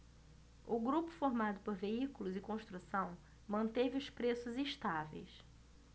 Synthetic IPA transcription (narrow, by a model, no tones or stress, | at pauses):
ʊɡɾupʊ̥foɾmad̪ʊpoɾveikʊlʊzɪkõʃt̪ɾusɐ̃w̃ | mɐ̃nt̪evɪʊspɾesʊziʃt̪avḛjs